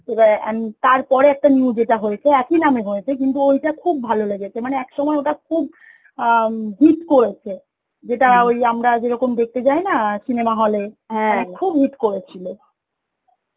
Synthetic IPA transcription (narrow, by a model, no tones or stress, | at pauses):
ebaent̪aɾpɔɾeɛk̚ʈaniud͡ʑeʈaɦojet͡ɕʰeɛkinameɦojet͡ɕʰek̬int̪̬uojʈakʰub̚ːʱaloleɡet͡ɕʰemaneɛkʃɔmɔeoʈakʰub | ɦiʈkoɾet͡ɕʰe | d͡ʑeʈaojamɾad͡ʑeɾɔkomd̪ek̚t̪et͡ɕajnasinemaɦɔleɦɛ̃akʰubɦiʈkoɾet͡ɕʰilo